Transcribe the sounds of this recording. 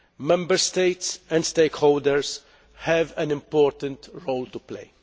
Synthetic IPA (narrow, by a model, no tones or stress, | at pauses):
mɛ̃mbəɾst̪eɪtsɛ̃ndst̪eɪkhoːld̪əɹs | hɛvæ̃nɪ̃mpoːɾt̪ə̃nt̪ɹoːlt̪uplḛɪ